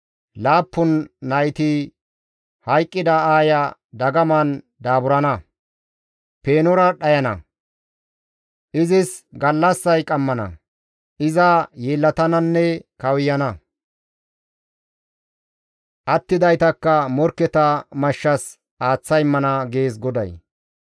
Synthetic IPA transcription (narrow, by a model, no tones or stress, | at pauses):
laːpːʊnːɐjt̪i | hɐjkʼːɪd̪ɐaːjɐd̪ɐɡɐmɐn | d̪aːbʊɾɐnɐ | peːnɔɾɐɗɐjɐnɐ̰ | ʔɪzɪsɡɐlːɐsːɐjkʼɐmːɐnɐ̰ | ʔɪzɐjeːlːɐt̪ɐnɐnːɛkɐwɪjɐnɐ | ʔɐt̪ːɪd̪ɐjt̪ɐkːɐmɔɾkːɛt̪ɐmɐʃːɐs | ʔaːt͡sːɐjmːɐnɐɡe̞ːs̬ɡɔd̪ɐ̰j